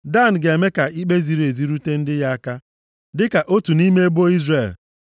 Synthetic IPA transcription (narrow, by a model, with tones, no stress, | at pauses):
da˦˨n̩˨ɡe˨me˦ka˨i˦ɡ͡be˦zi˦ɾe˨zi˦ɾu˦te˦n̩˦dɪ˦ja˦a˦ka˦ | dɪ˦ka˨ʔo˦tu˨ni˦me˦e˦bo˦i˦zre˨l